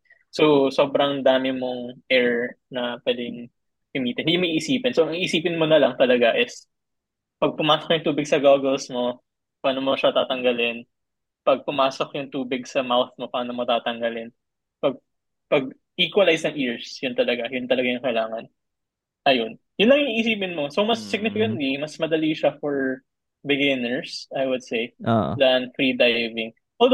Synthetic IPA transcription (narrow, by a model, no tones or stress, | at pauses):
soso̞ːbɾɐŋd̪aːmɪmo̞ŋʔɛɹnɐpwɛːd̪ɪŋ | kɐmiːt̪ɛɪɪmɐʔiːʔɪsiːpɪnsoʔɐŋiʔːsiːpɪnmonɐlɐŋt̪ɐlɐɡaʔɪs | pɐɡ̚pʊmaːsok̚jʊŋt̪uːbɪɡsɐɡaɡɛlsmo̞ | paːnomoʃɐt̪aːt̪ɐŋɡɐlɪn | pɐɡ̚pʊmaːsokjʊŋt̪uːbɪɡsɐmawθmo̞paːnɐmɐt̪aːt̪ɐŋɡɐlɪn | pɐɡ̚ | pɐɡ̚ | ʔiːkwɐlajsnɐŋʔiɹsjʊnt̪ɐlɐɡajʊnt̪ɐlɐɡajʊŋkɐɪlaːŋɐn | ʔɐjon | jʊnlɐŋiŋiʔɪsiːpɪnmosowmɐsːɪɡ̚nɪfɪkɐnt̪limɐsmɐd̪ɐliʃɐfɔɹ | bɪɡɪnɛɹsajwʊd̪̚sejʔo̰dɐnfɾiːd̪ajvɪŋ | ʔo